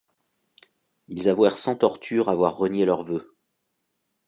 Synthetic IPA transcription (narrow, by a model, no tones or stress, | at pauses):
ilzavwɛʁsɑ̃t̪ɔʁt̪ʰyːʁavwaʁːənjelœʁvø